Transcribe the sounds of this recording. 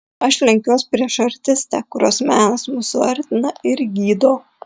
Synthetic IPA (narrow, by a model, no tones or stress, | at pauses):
ɐʃlʲɛŋʲkʲoːsʲpʲɾʲiɛʃɐɾʲt̪ʲɪsʲt̪ʲækʊɾʲoːsmʲæːnɐsmusʊɐɾʲt̪ʲɪnɐɪɾɡʲiːd̪oː